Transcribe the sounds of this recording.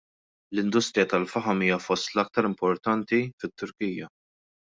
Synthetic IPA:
lɪnd̪ʊst̪ɾɪjɐt̪ɐlfɐħɐmiːjɐfɔst̪lɐk̚t̪ɐɾɪmpɔɾt̪ɐnt̪ifɪt̪ːʊɾkiːjjɐ

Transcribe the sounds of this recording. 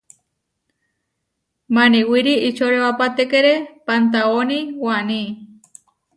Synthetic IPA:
mãnĩwiɾiit͡ʃoɾewapat̪ekeɾepant̪̬aoniwani

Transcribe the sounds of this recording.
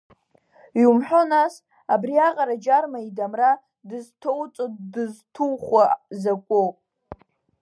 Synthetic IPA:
umħʷᶣonas | abriaqʼaɾad͡ʒarmaidamra | dɨztʰowt͡sʼodɨztʰuwχʷazakʷʼo

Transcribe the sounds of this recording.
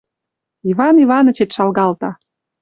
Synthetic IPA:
ivɑnivɑnə̆t͡ɕet̪ʃɑlɣɑlt̪ɑ

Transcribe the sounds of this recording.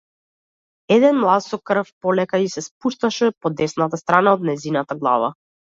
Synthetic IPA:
ɛd̪ɛnmlˠat̪sɔkr̩fpɔlɛkaisɛspuʃt̪aʃɛpɔd̪ɛsnat̪ast̪ɾanaɔd̪nɛzinat̪aɡlˠa̰va̰

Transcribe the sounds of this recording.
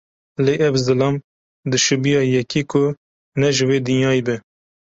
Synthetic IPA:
leːʔɛvzɨlɑːm | d̪ɨʃɨbijɑːjɛkiːkʰʊ | nɛʒɨweːd̪ɨnjɑːibɛ

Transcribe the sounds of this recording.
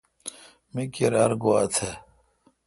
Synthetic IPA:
mikiɾɐɾɡoat͡s̪ʰe

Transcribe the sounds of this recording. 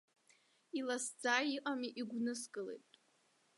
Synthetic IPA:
ilasd͡zaiqʼamiʔiɡʷnɨskʼɨlḛjtʼ

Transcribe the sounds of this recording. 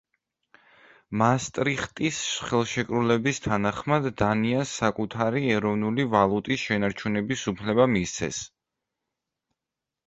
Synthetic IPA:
mast̪ʼɾiχt̪ʼisχɛlˠʃɛkʼɾulɛbist̪ʰanaχmad̪ːaniasːakʼut̪ʰaɾiɛɾɔvnulivalˠut̪ʼisʃɛnaɾt͡ʃʰunɛbisupʰlɛbamist̪sʰɛ̰s

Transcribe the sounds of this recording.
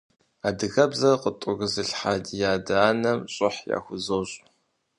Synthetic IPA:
aːdɨɣɐbzɐqətʼʊɣɨzɨɬħaːdijaːdaːnɐmɕʼɪħja̰ːxʷʊzowɕʼ

